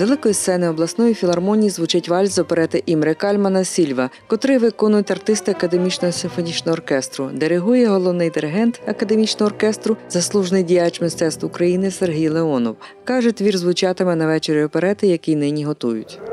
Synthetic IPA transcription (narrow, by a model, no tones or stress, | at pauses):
ʋelˠɪkɔjissɛnɪɔblˠɐsnɔjifʲilˠɐrmɔnʲijizʋut͡ʃɪtʲʋɑlʲzɔpeɾɛt̪ɪʔimɾɪkɑlʲmɐnɐsʲilʲʋɐkɔt̪ɾɪʋɪkɔnʊjʊtʲɐrt̪ɪst̪ɪɐkɐd̪e̞mʲit͡ʃnɔɦɔsɪnfɔnʲit͡ʃnɔɦɔːrkɛst̪ɾʊ̰d̪eɾɪɦujɛɦɔlˠɔwnɪjd̪ɪɾɪɦɛnt̪ɐkɐd̪emʲit͡ʃnɔɦɔːrkɛst̪ɾʊzɐslˠuʒnɪjdʲijat͡ʃmɪst̪ɛt̪st̪ʋʊkɾɐjinɪserɦijlˠeɔnɔ̰wkɑʒɛt̪ʲʋʲirzʋʊt͡ʃɑt̪ɪmɪnɐʋɛt͡ʃeɾʲiɔpeɾɛt̪ɪjɐkʲijnɪnʲiɦɔt̪ujʊ̰tʲ